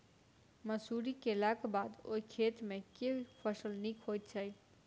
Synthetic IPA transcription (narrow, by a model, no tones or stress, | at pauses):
məsuɾikelakbaːd̪o̰ikʰeːt̪mẽkeipʰəsəlnikɦojt̪̚t͡ʃʰəj